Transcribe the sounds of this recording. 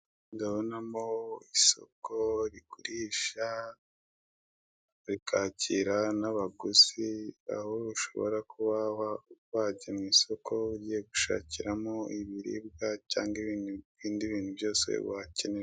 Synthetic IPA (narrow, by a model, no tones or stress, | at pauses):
ndaβonamoiso̞̰koɾikuɾiʃa | ɾikʰaciɾanaβaɡuzia̰hoɾuʃo̞̰βo̰ɾakuβahawaːɟemŋiːso̞kʰo̞uɟije̞ɡuʃa̰ːciɾamoiβiɾḭb̚ɡaca̰ːŋɡiβinɡiːndiβiːn̥hubjo̞ːse̞̰βace̞neɾ